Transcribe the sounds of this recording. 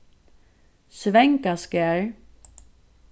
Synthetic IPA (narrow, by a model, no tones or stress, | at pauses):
svɛŋkaskɛɹ